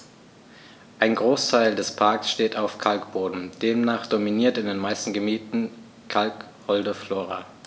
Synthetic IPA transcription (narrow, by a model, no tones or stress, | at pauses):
ʔaɪnɡʁoːstʰaɪldɛspʰaɐksʃteːtaʊfkʰalkb̥oːdn̩d̥eːmnaːχd̥ominiːɐtɪndeːnmaɪstn̩ɡəmiːtn̩ | kʰalk | hɔldəfloːʁa̰